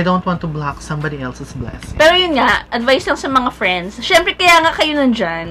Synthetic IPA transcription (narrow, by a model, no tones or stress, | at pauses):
jd̪õwnt̪wɑ̃nt̪ʊblaksɐ̃mbad̪iɛlsɪsblɛ̰spɛːɾojʊnŋaʔɐd̪vajslɐŋsɐmɐŋafɾɛnd̪sʃɛmpɾɛkɐjaŋakɐjonɐnd͡ʒan